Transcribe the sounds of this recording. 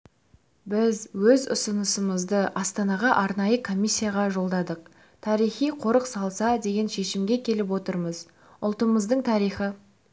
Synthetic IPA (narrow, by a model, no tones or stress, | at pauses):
bɪzwɵzʊ̰sənəsəməzd̪əʔɑst̪ɑnɑʁɑʔɑɾnɑjəkʰo̞mʲijsʲːijaʁɑʒo̞lˠd̪ɑd̪əq̚ | t̪ʰɑɾijχijqʰo̞ɾəqsɑlˠsɑd̪e̞ɡʲe̞nʃe̞ʃɪmɡʲekʲʰe̞lɪp̬wo̞t̪əɾməz | ʊlˠt̪əməzd̪əɴt̪ʰɑɾijχə